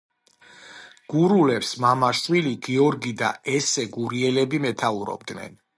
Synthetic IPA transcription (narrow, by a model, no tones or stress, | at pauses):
ɡ̥uɾulɛpsmamaʃwiliɡiɔɾɡid̪a̰ɛsɛɡuɾiɛlɛbimɛt̪ʰauɾɔ̰bd̪nɛ̰n